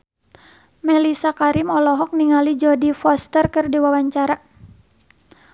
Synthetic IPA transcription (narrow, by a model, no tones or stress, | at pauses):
mɛlisakaɾimɔlɔɦɔk̚niŋalid͡ʒɔdifɔst̪ərkɨrdiwawaɲt͡ʃaɾa